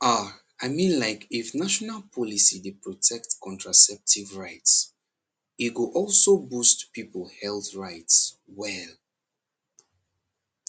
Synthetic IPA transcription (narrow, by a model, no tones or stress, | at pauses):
a | aɪmĩnlaɪkifnaʃɔnalpʰɔlisidepɹɔtʰɛktkʰɔ̃ntɹasɛp̚tʰivɹaɪts | itɡuʔɔlsobustpipəl̩hɛlθɹaɪts | wɛl